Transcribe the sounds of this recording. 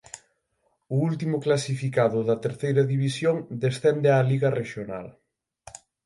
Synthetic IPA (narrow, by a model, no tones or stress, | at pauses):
ʊult̪imʊklasifikaðʊðɐt̪eɾθejɾɐðiβisjoŋd̪esθɛnd̪ealiɣɐreʃjona̰l